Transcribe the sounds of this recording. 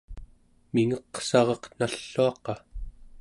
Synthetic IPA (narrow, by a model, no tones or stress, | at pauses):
miŋʌqsɑʁʌqnaɬːuɑqɑ